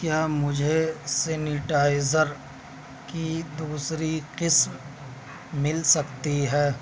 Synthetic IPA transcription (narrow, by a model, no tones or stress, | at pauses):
kjaːmʊd͡ʒʱesenɪʈaːɪzəɾ | kid̪uːsɾiqɪsm | mɪlsɐkt̪iɦɛː